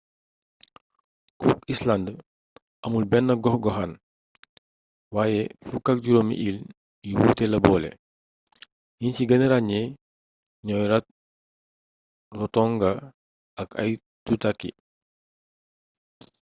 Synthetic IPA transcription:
kuisland | ʔɐmulbɛnːɐɡɔxɡɔxan | waːjɛfukak̚ɟuɾɔmḭʔil | jiwuːtɛlɐbɔːlɛ̰ | jinciɡɐniɾaɲɛ | ɲɔːjɾɐt̚ | rɔtɔŋɡɐ | ɐkʰɐ̰j | tutakːḭ

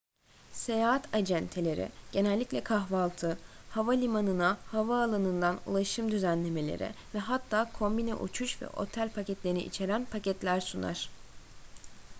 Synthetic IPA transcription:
se̞jaːɦat̪ʰad͡ʒænt̪ʰe̞lʲe̞ɾɪ̰ɟ̥e̞nælʲːiclʲɛkʰaɦvalˠt̪ʰɯhavalʲimanɯnahavaːlˠanɯnd̪anṵlˠaʃɯmd̪yzænlʲe̞me̞lʲe̞̰ɾʔɪ̰vɛɦat̪ʰːaːkʰo̞mbinɛ̰ʔṵt͡ʃʰuʃvɛ̰ʔo̞̰t̪ʰælʲpʰacɛt̪lʲeɾnḭʔḭt͡ʃʰe̞ɾænpʰacʰɛt̪lʲæɾsuna̰ɾ̥

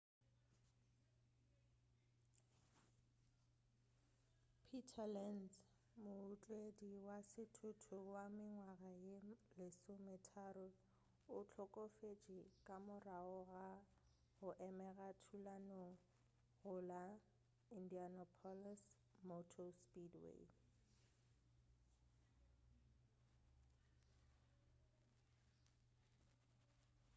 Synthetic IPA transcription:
pʰitʰalɛns | mʊʊt͡ɬʼediwasɪtʰʊtʰʊwamɪŋwaɣajelɪsʊmɛtʰaɾʊ | ʊt͡ɬʰɔkʼofet͡ʃʼikʼamʊraʊɣa | ɣʊʔɛmɛɣatʰulano | ɣʊla | indianɔpʰɔlas | motʰospʼidwḛ

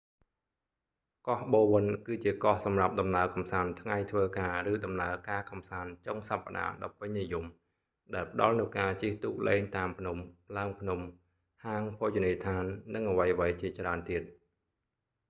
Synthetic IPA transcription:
kɑhɓoːʋɨnkɨːt͡ɕiəkɑhsɑmrap̚ɗɑmnaəkɑmsaːnt̪ʰŋajt̪ʰʋəːkaːrɨːɗɑmnaəkaːkɑmsaːnt͡ɕoŋsapːa̰ɗa̰ːɗɑ̰pːɨɲnijum | ɗaɛlpə̆ɗɑlnɨwkaːt͡ɕiəht̪uːk̚leːŋt̪aːmpʰnumpʰlaəŋpʰnum | haːŋpʰoːt͡ɕoniːt̪ʰaːnːɨŋʔəʋəjəʋəjt͡ɕiət͡ɕraənt̪iət̪̚

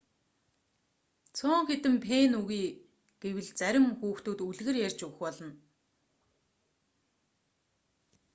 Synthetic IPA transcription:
t͡sʰʊːŋxet̪ɘ̆mpʰeːnuɣiː | ɡ̥ewɘ̆ɮt͡sæɾʲɪ̆mxuːxt̪uːt̪uɮɣɘ̆rjærʲt͡ɕɵwɘ̆xpɔɮɞ̆n

